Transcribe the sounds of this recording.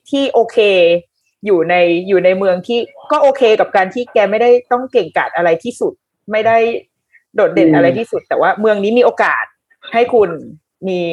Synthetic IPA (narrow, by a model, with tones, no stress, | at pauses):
t̪ʰiː˥˩ʔoː˧kʰeː˧ | juː˨˩na˧jːuː˨˩na˧jmɯ˧əŋt̪ʰiː˥˩kɔː˥˩ʔoː˧kʰeː˧ka˨˩p̚kaː˧nt̪ʰiː˥˩kɛː˧ma˥˩jda˥˩jt̪ɔ˥˩ŋke˨˩ŋka̰ː˨˩t̪̚ʔa˧ɾa˧jt̪ʰiː˥˩su˨˩t̪̚ | ma˥˩jda˥˩j | doː˨˩t̪̚de˨˩nʔa˧ɾa˧jt̪ʰiː˥˩su˨˩t̪̚ːɛː˨˩waː˥˩mɯ˧əŋniː˦˥miː˧ʔoː˧ka̰ː˨˩t̪̚ | ha˥˩jkʰu˧n | miː˧